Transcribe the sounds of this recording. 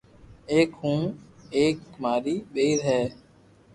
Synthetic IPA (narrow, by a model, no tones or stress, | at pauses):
eːkɦũːeːkmaːɾiːɓeːɾɦɛː